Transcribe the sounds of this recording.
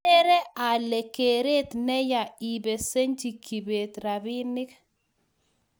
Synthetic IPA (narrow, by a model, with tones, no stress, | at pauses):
ɛ˦ɾɛ˦ʔa˨le˨ke˨ɾe˦t̪nɛ˦ja˨i˨be˨se˦ɲd͡ʒi˨ki˨be˨t̪ɾa˨bi˦nɪ˦k